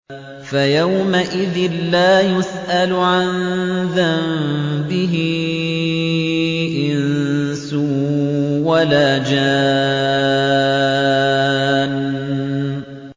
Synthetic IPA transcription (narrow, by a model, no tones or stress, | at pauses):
fajawmaʔɪðɪnlaːjʊsʔalʊʕanðammbɪɦɪ | ʔɪnn | su | walaːd͡ʒa | n